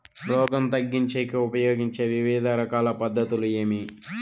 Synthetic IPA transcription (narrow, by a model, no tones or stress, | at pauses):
lɔːɡɐmt̪ɐɡːiɲt͡ʃeːkiupɐjoːɡiɲt͡ʃeːʋiʋiːd̪ʱɐɾɐkaːlɐpɐd̪ːɐt̪ulujeːmi